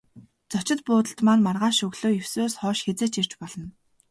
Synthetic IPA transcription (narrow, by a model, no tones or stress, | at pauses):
t͡sɔt͡ɕɪ̆t̪pʊːt̪ə̆ɬt̪maːnmarʁaːʃɵɣɮoːjɵwsoːsχɔːʃxet͡seːt͡ɕir̥t͡ɕpɔɮɞ̆n